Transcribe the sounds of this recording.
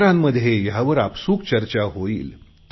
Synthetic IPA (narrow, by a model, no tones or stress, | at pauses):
ɾamːəd̪ʱjejaʋəɾapsuːkt͡ɕəɾt͡ɕaɦoḭːl